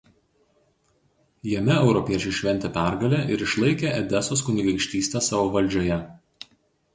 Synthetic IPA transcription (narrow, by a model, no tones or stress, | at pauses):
jɛmʲɛɛʊɾɔpʲiɛt͡ʃʲɛɪʃʲʋʲɛnʲt̪ʲɛpʲæˑɾɡɐlʲɛʔɪɾɪʃlˠɐɪkʲeʔɛd̪ʲɛsoskʊnʲɪɡʲɛɪkʃʲt̪ʲiːsʲt̪ʲɛsɑːʋoːʋɐlʲˑd͡ʒʲoːjɛ